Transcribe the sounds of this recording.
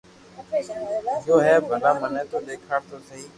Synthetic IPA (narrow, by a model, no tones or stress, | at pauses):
ɪjoːɦɛːbʱəlaːmənə̃ːt̪oːɗ̪eːkʰaːɽt̪oːsʰəiː